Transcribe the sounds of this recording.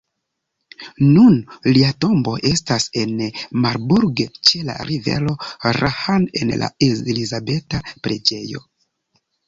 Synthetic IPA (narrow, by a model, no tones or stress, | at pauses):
nunliato̞mbo̞ʔe̞stase̞nmaɾbuɾɡt͡ʃe̞la̰ɾive̞̰ɾo̞ɾʔahane̞̰nlʔa̰elizabe̞tapɾe̞d͡ʒe̞jo̞̰